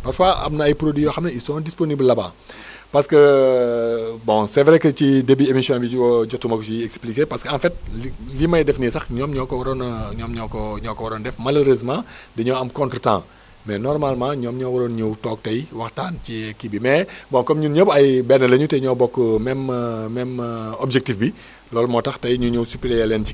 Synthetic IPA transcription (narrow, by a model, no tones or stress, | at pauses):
pɐɾfaʔɐ̰mnɐɐjpɾodwijɔxɐmnɐisɔ̃ːndisponiblːɐba̰ː | pɐskə | bɔ̃sɛvɛɾekəcidebiemisiɔ̃nbiɟɔtːumɐkusiɛksplikepɐskəɐ̃nfɛt̚limɐjdefnisɐxɲɔmɲɔkɔwɐɾɔnɲɔːmɲɔkɔɲɔkɔwɐɾɔndɛfmɐloɾizmãːdɛɲɔwɐmkɔ̃ntɾətã̰ː | mɛnɔrmalmãɲɔːmɲɔwɐlonɲuwtɔːk̚tɐjwɐxtaːncikibimɛbɔ̃kɔmɲuɲəbɐjbɛnːəlɐɲutɛɲɔwbɔkːmɛmmɛmɔbd͡ʒek̚tifbi | lɔːlmɔtɐxtɐjɲuɲuwsupilejɐlɛnci